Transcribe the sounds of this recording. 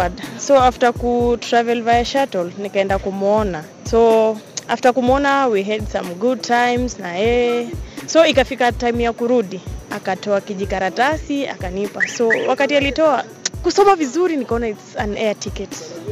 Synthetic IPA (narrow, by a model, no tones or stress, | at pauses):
dsɔaftakutɾavɛlvajaʃatɔlnikaɛndakumɔna | sɔaftakumɔnawiɦɛdsamɡud̚tʰajmznajɛ | sɔikafikatajmjakuɾuɗiakatɔakiʄikaɾatasia̰kanipasɔwʔakatialitɔa | kusɔmavizuɾinikaɔnaitsanɛatʰikɛt